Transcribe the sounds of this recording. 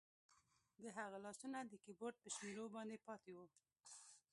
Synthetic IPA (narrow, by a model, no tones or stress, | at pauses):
d̪əɦaɣalɑsunad̪əkiboɾʈ̚pəʃmeɾobɑnd̪epɑt̪ewu